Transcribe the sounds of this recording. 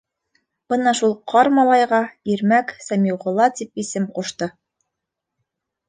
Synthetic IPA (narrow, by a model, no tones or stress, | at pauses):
b̥ɤnɑʃulˠqʰɑɾmɑlˠɑjʁɑiɾmæksæmʲiwʁŏlˠɑt̪ip̚isɘmquʃt̪ɤ